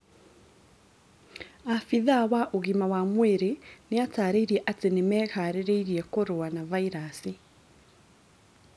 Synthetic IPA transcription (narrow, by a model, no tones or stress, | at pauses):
afiðawaʔoɣimawamweɾeneataːɾeiɾiɛʔatenemɛkaɾeɾeiɾiɛkoɾowanavaiɾasi